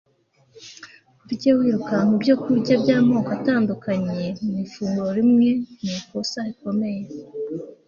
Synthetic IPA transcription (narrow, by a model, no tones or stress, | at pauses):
uɾɟewiːɾukamubɟo̞kuɾɟabɟaːmoːkataːndukaɲe̞mumifuːŋɡuɾoɾimŋe̞nikosaiko̞me̞je̞